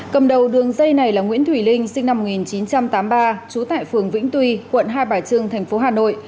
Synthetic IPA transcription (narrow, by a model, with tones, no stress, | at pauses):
kə˨˩mɗə˨˩wɗɨ˨˩əŋzə˧jna˨˩jlaː˨˩ŋwḭ˧˥ənt̪ʰwi˧˩lï˧ŋ̟sï˧ŋ̟na˧mo˨˩ŋi˨˩nt͡ɕi˨˦nt͡ɕa˧mt̪aː˨˦mɓaː˧t͡ɕu˨˦t̪a̰ː˧˨jfɨ˨˩əŋvḭ˧˥ŋ̟t̪wi˧kwə̰˧˨nɦaː˧jɓaː˨˩t͡ɕɨ˧əŋt̪ʰɛ˨˩jŋ̟fo˨˦ɦaː˨˩no̰˧˨jʔ